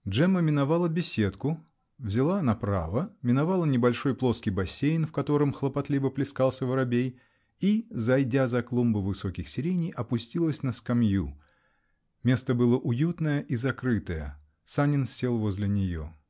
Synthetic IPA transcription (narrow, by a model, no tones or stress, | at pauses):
dʐɛməmʲɪnɐvalˠəbʲɪsʲe̞t̪kʊ | vzʲɪlˠanapɾa̰vəmʲɪnɐvalˠənʲɪbɐlʲʂo̞jplˠo̞skʲɪjbɐsʲːejnfkɐt̪o̞ɾɨmxlˠəpɐt̪lʲibəplʲɪskalˠsʲəvəɾɐbʲej | izɐjdʲazɐklˠumbɨvɨso̞kʲɪxsʲɪɾʲenʲɪjʔɐpʊsʲtʲilˠəsʲnəskɐmju | mʲe̞st̪əbɨlˠəʔʊjut̪nəjəʔizɐkɾɨt̪əjə̰ | sanʲɪnsʲːe̞lˠvo̞zʲlʲɪnʲɪjo̰